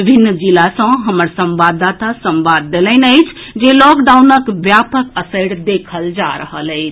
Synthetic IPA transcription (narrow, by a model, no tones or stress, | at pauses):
ibʱinːd͡ʒilasə̃ɦəməɾsəmbad̪at̪asəmbad̪ːeləɪnəɪt͡ʃʰd͡ʒelɔkɖaunəkʋjapəkəsəɪɽd̪ekʰəld͡ʒa̰ɾəɦələɪt͡ʃʰ